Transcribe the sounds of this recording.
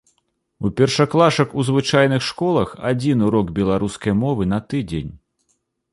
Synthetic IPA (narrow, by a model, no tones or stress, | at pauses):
upʲɛrʂɐklˠaʂɐkuzvɨt͡ʂajn̪ɨxʂkɔlˠɐxa̰d͡zʲinuɾɔɡbʲɛlˠaɾuskɐjmɔvɨnɐt̪ɨd͡zʲenʲ